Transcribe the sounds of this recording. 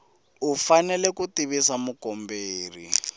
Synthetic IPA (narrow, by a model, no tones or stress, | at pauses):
ufanɛlɛkutiβisamukɔmbeːrḭ